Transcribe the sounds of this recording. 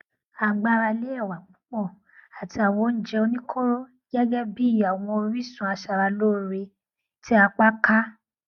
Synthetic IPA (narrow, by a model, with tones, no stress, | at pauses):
a˨ɡ͡ba˦ɾa˧le˦ɛ˦˨wa˨ɡ͡bũ˨˦k͡pɔ˦˨ | a˨ti˧a˨wɔ˨˧˦n̩˦d͡ʒɛ˧o˧nĩ˦kʰo˦ɾo˦ | ɡɛ˦ɡɛ˦bi˦˨a˨w̃ɔ̃˧o˧ɾi˦sũ˧˦a˧ʃa˧ɾa˧loː˦˨˦ɾe˧ | tʰi˦a˧k͡pa˦ka˦